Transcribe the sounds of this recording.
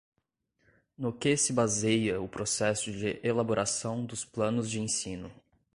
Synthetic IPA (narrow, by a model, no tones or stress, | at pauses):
nʊkɪsɪbazejɐʊpɾosɛsʊd͡ʒɪʔelaboɾʔasɐ̃w̃d̪ʊsplɐ̃nʊzd͡ʒɪẽsĩnʊ